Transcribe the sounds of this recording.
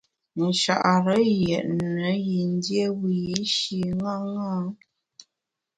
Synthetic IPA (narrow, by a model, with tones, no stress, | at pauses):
n̩˨ʃa̰˨ʔa˨ɾə˨˦jɛ˨ʔnə˨˦ji˨n˦dje˦wi˨i˦ʃi˨ŋa˦ŋa˦